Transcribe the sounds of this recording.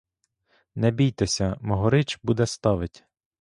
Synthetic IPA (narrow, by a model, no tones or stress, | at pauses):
nɛbʲijt̪ɛsʲɐmɔɦɔɾɪt͡ʃbud̪ɛst̪ɑʋɪtʲ